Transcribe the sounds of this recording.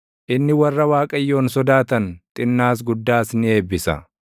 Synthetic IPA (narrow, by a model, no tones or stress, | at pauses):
ʔɪnːɪwɐrːɐwaːkʼɐjːo̞ːnsɔd̪aːt̪ɐnt̪ʼɪnːaːs̬ɡʊd̪ːaːsnɪe̞ːbːɪsɐ̰